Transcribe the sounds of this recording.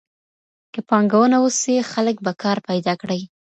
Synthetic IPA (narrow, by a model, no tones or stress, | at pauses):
kəpɑŋɡawənawusixalək̚bakɑɾpajd̪ɑkɽəj